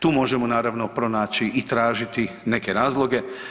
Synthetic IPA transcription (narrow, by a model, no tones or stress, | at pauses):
t̪uːmo̞ʒemonaːɾaʋno̞pɾo̞naːt͡ɕiːt̪ɾaːʒit̪i | ne̞keɾaːzlˠo̞ɡe̞